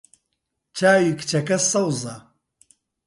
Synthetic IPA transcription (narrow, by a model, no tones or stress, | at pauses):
t͡ʃʰaːjikt͡ʃɐkɐsɐwzɐ